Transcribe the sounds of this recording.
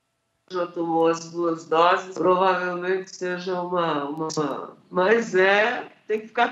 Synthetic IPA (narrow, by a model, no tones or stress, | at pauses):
ʒɐt̪omoɐzbuɐzd̪ɔzɪspɾovavewmẽt͡ʃɪ̥seʒɐũmɐũmɐɐ̰̃mɐzɛt̪ẽj̃kɪfi̥ka